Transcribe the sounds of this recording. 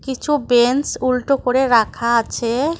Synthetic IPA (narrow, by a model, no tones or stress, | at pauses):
kit͡ɕʰubensulʈokoɾeɾakʰaat͡ɕʰe